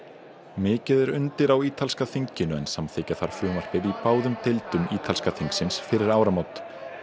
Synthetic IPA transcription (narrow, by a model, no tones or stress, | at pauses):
mɪːcɪðɛɾʏnt̪ɪɾawiːt̪ʰalskaθiɲcɪnʏɛ̰nsamθeːjcaθaɾ̥fɾjɔːmaɾ̥pɪðipaːwðʏmt̪elt̪ʏmiːt̪ʰalskaθiŋksɪnsfɪɾɪɾaːwɾamawt̪